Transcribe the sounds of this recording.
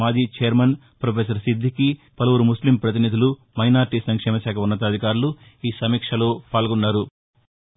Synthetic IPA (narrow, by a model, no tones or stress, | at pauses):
aːd͡ʒiːt͡ʃeːɐɾmɐn | pɾopʰeːs̬ɐɾsid̪ʱːikipɐlɐʋuɾumuslimpɾɐt̪̬inid̪ʱilu | mɐjnaːɾʈisɐŋkʂɛːmɐʃaːkʰɐunːɐt̪̬ɐd̪ʱikaːɾulu | iːsɐmiːkʂɐlo̞ːpaːlɡunːaːɾu